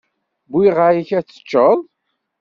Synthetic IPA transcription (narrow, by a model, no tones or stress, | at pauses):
bwiʁajiçæt͡sːə̥t͡ʃːəðˤ